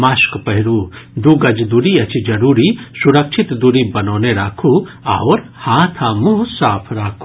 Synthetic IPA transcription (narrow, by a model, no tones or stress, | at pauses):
maːskpɐɦiɾuːd̪uɡɐd͡ʒd̪uɾiɐt͡ʃid͡ʒɐɾuːɾisuɾɐkʃʰit̪d̪uɾibɐnoːneɾaːkʰua̰ʋɾhaːt̪ʰamusaːpʰɾaːkʰː